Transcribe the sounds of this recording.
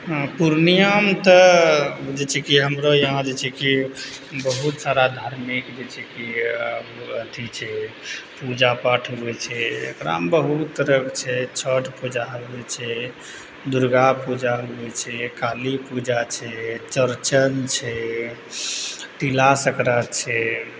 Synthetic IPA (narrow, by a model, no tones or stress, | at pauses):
ɦpuɾnijamt̪ə | d͡ʒet͡ʃʰɛkiɦəmɾojəɦãd͡ʒet͡ʃʰɛkibəɦut̪saɾad̪ʱaɾmikd͡ʒet͡ʃʰɛkiəbət̪ʰit͡ʃʰɛpud͡ʒapaʈʰɦubɛt͡ʃʰɛḛkɾa̰mbəɦut̪ːəɾəkt͡ʃʰɛt͡ʃʰəʈpud͡ʒaɦəbɛt͡ʃʰɛ | d̪uɾɡapud͡ʒaɦubɛt͡ʃʰɛkalipud͡ʒat͡ʃʰɛt͡ʃəɾt͡ʃənt͡ʃʰɛ | ʈilasəkɾat͡ʃʰɛ